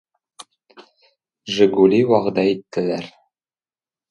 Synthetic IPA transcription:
ʒɘ̆ɡulʲiwɑʁɤ̆d̪ɑit̪ːɘ̆læɾ

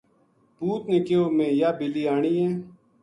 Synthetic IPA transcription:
puːt̪nekeːoːmẽːjaːbɪliːaːɳiːẽː

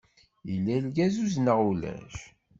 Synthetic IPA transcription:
ilːælɡæzuznəʁulæ̰ʃ

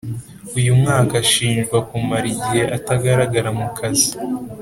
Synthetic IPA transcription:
ujumŋaːkaʃiːnʒɡwakumaɾiɟihe̞ʔataɡaɾaɡaɾamukʰazi

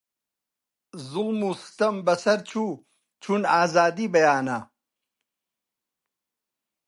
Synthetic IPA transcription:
zulmust̪ɐmbɐsɐɾt͡ɕʰu | t͡ɕʰunaːzaːd̪ibɐjaːna

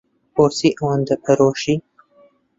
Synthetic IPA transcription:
poɾsiːʔɐwɐnd̪ɐpʰɐɾoːʃiː

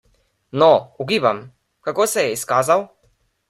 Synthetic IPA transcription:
nɔuɡiːbam | kakoːsɛjɛiskaːzaw

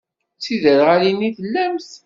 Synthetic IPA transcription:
t͡sːiðəɾʁaliniθəlːæmθ

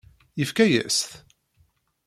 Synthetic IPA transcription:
jəfkæjæ̰st̪

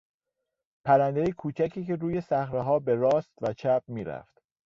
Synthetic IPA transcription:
pʰæɾænd̪ejekʰuːt͡ʃʰækʰiːcʰe̞ɾuːje̞sæxɾeɦɒːbeɾɒːst̪væt͡ʃʰæb̚miːɾæ̰ft̪

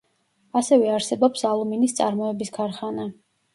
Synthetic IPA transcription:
asɛvɛaɾsɛbɔpsalˠuminist̪sʼa̰ɾmɔɛbiskʰaɾχana

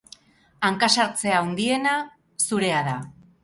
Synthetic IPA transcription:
aŋkasaɾt͡se̞aond̪ie̞na | suɾe̞aða

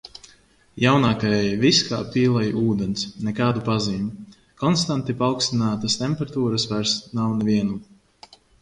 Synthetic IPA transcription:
jawnaːkaɛjviska̰ːpʲiːlˠajʔuːd̪ɛnsnɛkaːd̪upaziːmu | kɔnst̪ant̪ipalˠkst̪inaːt̪ast̪ɛmpɛɾat̪uːɾasvæɾsnawnɛviɛnum

